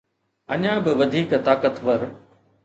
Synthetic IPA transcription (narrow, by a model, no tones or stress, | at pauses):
ɐɲãːbɪʋɐd̪ʱiːkt̪aːkət̪ʋɐɾ